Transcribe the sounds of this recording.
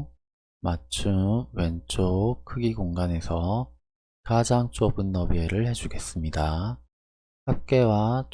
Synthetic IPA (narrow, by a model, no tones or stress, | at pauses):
mat͡ɕʰuwe̞nt͡ɕʰokʰɯɡiɡoŋɡane̞sʰʌ | kad͡ʑaŋt͡ɕ͈ʰobɯnːʌbieɾɯɭhe̞d͡ʑuɡe̞s͈ɯmɲida | hap̚k͈e̞wa